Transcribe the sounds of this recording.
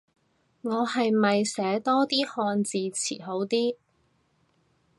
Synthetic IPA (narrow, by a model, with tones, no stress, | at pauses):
ŋɔː˨˧hɐ˨jmɐ˨jsɛː˨˥t̪ɔː˥t̪iː˥hɔː˧nt͡siː˨˧t͡sʰḭː˨˩ɦo˨˥wt̪iː˥